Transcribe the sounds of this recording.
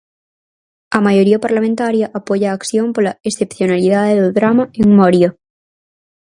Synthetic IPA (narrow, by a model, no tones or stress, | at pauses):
amaʝoɾiapaɾlamẽnt̪aɾjaʔapoʝaːkθjompolaesθepθjonaliðaðeðoðɾamaeŋmoɾjo